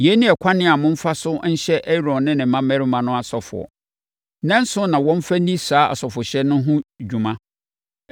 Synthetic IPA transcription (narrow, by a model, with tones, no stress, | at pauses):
jɛ˦nɪ̃˦ɛ˨kʷʰa˦nɪ̃˦a˨mʊ̃˦m̩˦fa˦sʊ˦n̩˦ɕɛ˦ʔɛ˦ɾɔ̃˨nnɪ̃˦nɪ̃˨m̩˦mã˦mɛ̃˦ɾi˦mã˨nʊ̃˦a˨sɔ˨fʊ̰˨ɔ̰˨ | nɛ̃˦n̩˦sʊ̃˦nã˨wɔ̃˦m̩˦fa˦nĩ˦saː˨˦a̰˨sɔ˨fʊ˨ɕɛ˦nʊ̃˦ɦʊ̃˦d͡ʑᶣu˨mã˦